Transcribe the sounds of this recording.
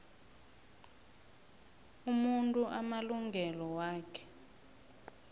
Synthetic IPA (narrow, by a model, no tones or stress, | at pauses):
umuntʼuʔamaluŋɡʱɛlɔwaːkʰɛ̥